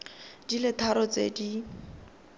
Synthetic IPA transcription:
d̥ilɪt̪ʰaɾɔt͡sḛdi

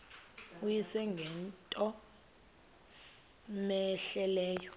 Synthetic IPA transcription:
ujisɛŋɡʱɛntʼɔ | mɛɬɛlɛːjɔ

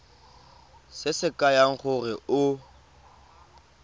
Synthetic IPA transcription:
sɪsɪkʼajaŋ̩χʊrɪʊ

